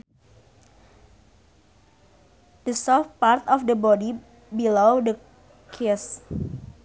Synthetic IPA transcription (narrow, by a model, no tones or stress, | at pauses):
dəsɔfpart̪ɔfdəbɔdi | bilodə | kʰis